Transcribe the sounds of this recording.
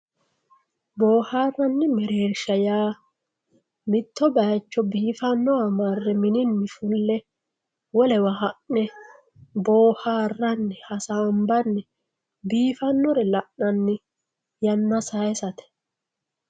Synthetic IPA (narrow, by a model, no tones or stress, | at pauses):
bo̞ːhaːrːɐnːɪmɛɾeːɾʃɐjaː | mɪt̪ːɔbɐjt͡ʃːɔbiːfɐnːɔamɐrːɛmɪnɪnːɪfʊlːɛ | wɔlɛwɐɦɐʔnɛ | boːhaːrːɐnːɪhɐsaːmbɐnːɪ | biːfɐnːɔɾɛlɐʔnɐnːɪ | jɐnːɐsɐjsɐt̪ɛ̥